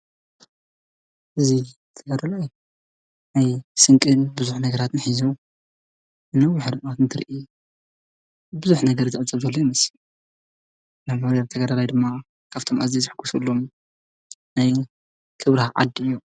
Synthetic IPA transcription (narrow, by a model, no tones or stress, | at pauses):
ʔɨzi | t̪ʰɐɡad̪alaj | najsɨŋkʼɨnbɨzuħnɐɡɐɾat̪ɨnħizu | ɨnɐwːiħɨɾɨʔat̪ɨnt̪ʰɨɾʔi | bɨzuħnɐɡɐɾzɨʔɨt͡sʼɐβzɐlːojmɐsi | namaɾaβt̪ʰɐɡad̪alajd̪ɨmːa | kʰaβt̪ʰo̞mʔazizɨħɨɡːusulːom | naj | kʰɨβɾahaʕa̰d̪ɨjːu